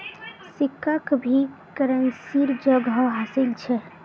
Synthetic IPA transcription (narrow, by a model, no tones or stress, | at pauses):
sikːakbʱikəɾənsiɾd͡ʒəɡɦəwɦasilt͡ʃʰɛ